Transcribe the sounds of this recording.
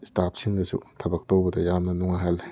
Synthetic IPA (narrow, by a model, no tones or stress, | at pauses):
staːp̚sʰiŋɡasṵt̪ʰabak̚t̪owbat̪ʰajamnanuŋaɦɛl